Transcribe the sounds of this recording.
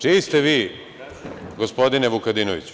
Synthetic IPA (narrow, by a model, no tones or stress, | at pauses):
t͡ʂiːist̪eʋiː | ɡospo̞d̪ineʋukad̪inoʋḭt͡ɕ